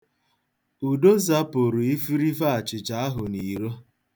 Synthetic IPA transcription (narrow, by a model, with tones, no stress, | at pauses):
u˨do˦za˦po˨ɾu˨i˦fi˦ɾi˦fa˦a˨t͡ʃɪ˨t͡ʃa˨˦a˦ɦʊ˨ni˨ɾo˦